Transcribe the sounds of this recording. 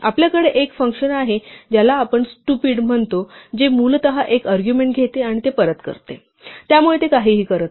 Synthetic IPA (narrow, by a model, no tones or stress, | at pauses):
apljakəɽeʔekfəŋkɕənaɦed͡ʑjalaːpəɳsʈupiːɽm̤əɳt̪od͡ʑemuːlt̪əɦaʔekaɾɡjumeɳʈɡʱet̪eaɽ̃it̪epəɾət̪kə̰ɾt̪ḛ | t̪jamuɭet̪ekaɦiːɦiːkəɾət̪